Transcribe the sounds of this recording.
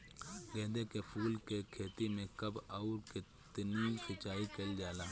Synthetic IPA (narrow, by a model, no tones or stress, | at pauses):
ɡɛːd̪ekepʰuːlkekʰeːt̪imẽkɐbaːɾkɪt̪nisɪt͡ʃaːikeld͡ʒaːlaː